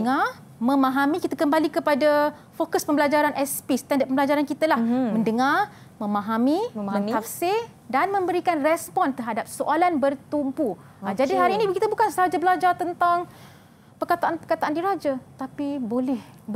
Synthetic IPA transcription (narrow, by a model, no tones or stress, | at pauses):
əŋar | mə̃mãɦamĩkit̪əkəmbalikəpada | fokəspəmbəlad͡ʒaɾanʔɛspisə̥t̪ɛndəpəmbəlad͡ʒaɾankit̪əlahməndəŋar | mə̃mãɦamiənt̪afsɪ | danmə̃mbəɾikanrɛspɔnt̪ərɦadap̚soʔalanbərt̪umpu | ad͡ʒadiɦaɾiːnĩkit̪əbukansɾad͡ʒabəlad͡ʒart̪ənt̪aŋ | pərkat̪aʔanpərkat̪aʔandiɾad͡ʒat̪apibolɛh